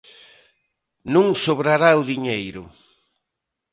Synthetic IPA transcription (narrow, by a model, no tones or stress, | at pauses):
nũŋsoβɾaɾaʊðiɲejɾʊ̰